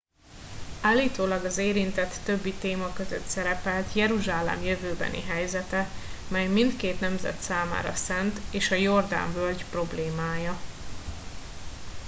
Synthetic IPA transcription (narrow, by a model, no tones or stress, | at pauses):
aːlːiːt̪oːlɒɡɒzeːɾint̪ɛt̪ːø̞bːit̪eːmɒkø̞zø̰t̪sɛɾɛpɛlt̪jɛɾuʒaːlɛ̰mjøvøːbɛ̰nḭɦɛjzɛt̪ɛmɛjmint̪keːt̪nɛmzɛ̰t̪saːma̰ːɾɒ̰sɛnt̪eːʃɒjo̞rd̪a̰ɱvølɟpro̞bleːmaːjɒ